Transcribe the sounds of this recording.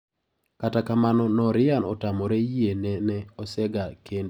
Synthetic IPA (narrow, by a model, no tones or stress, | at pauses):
katakamanɔnɔɾɪanɔtamɔɾejenɛnɛɔsɛɡakend